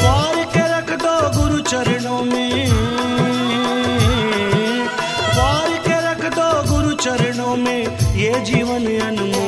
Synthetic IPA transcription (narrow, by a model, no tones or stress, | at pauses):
ʋaːɾikeɾɐkʰt̪oːɡʊɾut͡ʃɐɾɪɽõːmeː | baːɾikeɾɐkʰt̪oːɡʊɾut͡ʃɐɾɪɽoːmẽː | jeːd͡ʒiːʋənɐnumuː